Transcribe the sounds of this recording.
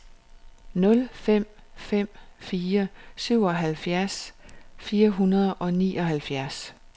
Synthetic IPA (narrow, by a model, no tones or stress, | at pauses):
nɔ̽lfem̰ | fem̰fiːɐsyʊ̰ɒɦælfjæɐsfiːɐɦunɐðˠʔɒ̽nḭːʔɒ̽ɦælfjæɐs